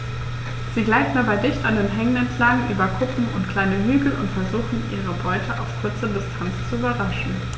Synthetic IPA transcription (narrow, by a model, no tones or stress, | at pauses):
z̥iːɡlaɪtn̩dabaɪdɪçtandeːnɦɛŋənɛntʰl̥aŋŋʔyːbɐkʰʊkŋ̩ʔʊntkl̥aɪnəɦyːɡl̩ʊ̰ntfɛɐzuːχn̩ʔḭːʁ̞əbɔʏtʰəʔa̰ʊfkʰʊɐt͡sədɪstʰant͡st͡suybɐʁaʃn̩